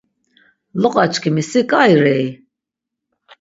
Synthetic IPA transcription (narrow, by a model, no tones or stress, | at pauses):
lɔqʼat͡ʃkʰimisikʼajɾɛj